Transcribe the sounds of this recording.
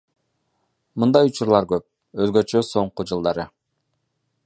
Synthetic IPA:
mɯnd̪ɑjut͡ʃuɾlˠɑɾɡøp̚ | øzɡø̞t͡ʃøso̞ɴqud͡ʒɯlˠd̪ɑɾɯ

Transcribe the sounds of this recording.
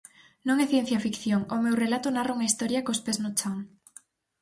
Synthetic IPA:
nõŋɛθjen̟θjɐfikθjoŋʊmewrelat̪ʊnarauŋɐist̪ɔɾjɐkospeznot͡ʃaŋ

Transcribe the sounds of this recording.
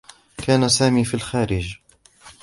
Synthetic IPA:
kʰaːnasaːmiːfilxaːɾɪd͡ʒ

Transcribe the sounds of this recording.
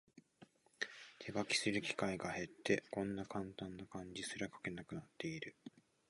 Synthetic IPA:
t̪ʰe̞ɡakʲi̥sɨɾɯ̟kʲi̥kaiɡahe̞t̪ʰːe̞kõ̞nːakãnt̪ãnːakãɲ̟d͡ʑisɨɾakḁke̞nakɯ̟nat̪ːe̞iɾɯ̟

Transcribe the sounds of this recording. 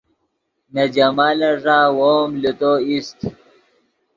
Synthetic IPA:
nɐd͡ʑɐmaːlɐʐaːwomlit̪oist̪

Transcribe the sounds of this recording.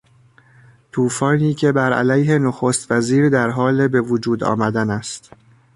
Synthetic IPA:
t̪ʰuːfɒːniːcʰe̞bæɾæ̰læjɦe̞noxost̪væziːɾd̪æɾɦɒːlebe̞vod͡ʒuːd̪ɒ̰ːmæd̪ænæst̪

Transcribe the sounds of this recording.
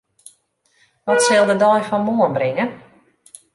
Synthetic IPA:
ʋɔtsɪlˠdədɔjfɔnmoənbrɪŋən

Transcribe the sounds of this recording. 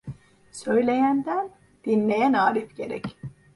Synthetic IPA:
sø̞jlʲe̞jænd̪æn | d̪̥inlʲe̞jænaːɾifɟe̞ɾɛ̰c

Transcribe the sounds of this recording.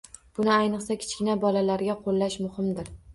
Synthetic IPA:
b̥ʊnɪajnɨqsakʲʰɪ̥t͡ʃkʲɪnabɒlalaɾɡʲaqʰolːaʃmʊhɪmd̪ɪɾ

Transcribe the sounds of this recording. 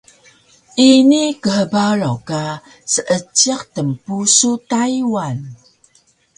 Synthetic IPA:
ʔinikəhəbaɾoka | səʔət͡ʃiqtəmpusutajiwan

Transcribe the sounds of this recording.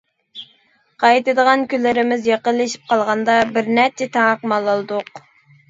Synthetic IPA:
qʰɑjt̪ɨd̪əʁɑnkʲylːɪɾɪmɪzjeqəlːɪʃi̥p̚qʰɑlˠʁɑnd̪ɑbɪɾnæɾt͡ʃʰɛt̪ʰɑŋɑqmɑlˠːɑlˠɨd̪ʊq

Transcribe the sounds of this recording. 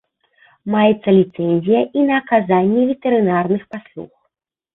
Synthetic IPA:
majɛt̪sːɐlʲit̪sɛnʲzʲijɐʔinɐːkazanʲːɛvʲɛt̪ɛɾɨnarnɨxpaslˠṵx

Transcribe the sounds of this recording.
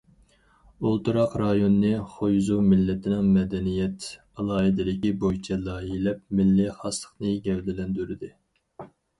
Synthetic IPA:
olˠt̪uɾɑqɾɑjonːɨχojzumɪlːɪt̪ʰɪnɪŋmɛd̪ɛnijɛt̪ | ɑlˠɑːɦɨd̪ɪd̪ɪkʲibojit͡ʃʰɛlɑjilɛp̚mɪlːɪχɑslˠə̥χnɨɡʲɛwlɪlɛnd̪yɾɪd̪ɪ

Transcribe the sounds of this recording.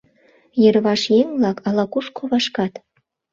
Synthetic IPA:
jə̆ɾβɑʃjeŋblɑkɑlɑkuʃkʰoβɑʃkɑt̪

